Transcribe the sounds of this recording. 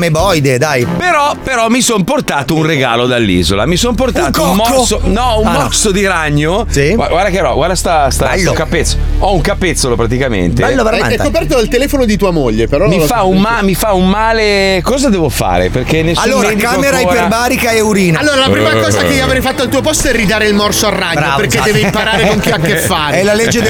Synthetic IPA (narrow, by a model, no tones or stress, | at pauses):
mebɔjd̪ed̪ajpeɾɔpeɾɔmisɔnport̪aːt̪ounreɡaːlod̪alːḭːzola̰misonp̬ort̪attkoummːɔkːsonɔummmɔksod̪iɾaɲːosiwaɡward̪akeɾɔɡwaɾd̪ast̪ast̪aɛlːokapːet̪soɔuŋkapːet̪sːolopɾat̪ikamḛnt̪ebɛlːovaɾajaɛskopɛrt̪oalt̪elɛːfonod̪it̪uːamoʎːepeɾɔmifaaummamifaummːaːlekɔːzad̪ɛːvofa̰ːɾḛperkenːesalːoɾekameɾajpebaːɾikaeuɾiːnaalːoɾalappɾimakɔːzakeioavɾɛjfat̪ːoalt̪uːopɔst̪oɛrːid̪aːɾeilmɔrsoarːaɲːoapeɾked̪ɛːveimpaɾaːɾeaŋkeakːefːaɾeɛlaled͡ʒːe